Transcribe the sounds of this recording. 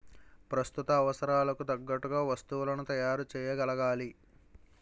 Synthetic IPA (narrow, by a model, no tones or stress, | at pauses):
pɾɐst̪ut̪ɐːʋɐsɐɾaːlɐkut̪ɐɡːɐʈːuɡaːʋɐst̪uwlɐnut̪ɐjaːɾut͡ʃɛːjɐɡɐlɐɡaːli